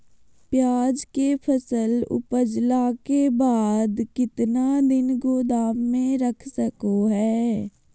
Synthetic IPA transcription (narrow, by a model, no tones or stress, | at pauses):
pjaːd͡ʒkepʰəsəlʊ̰pəd͡ʒlakebaːd̪kɪt̪nad̪ɪnɡoːd̪aːʋmẽɾɐkʰsəkoɦɛː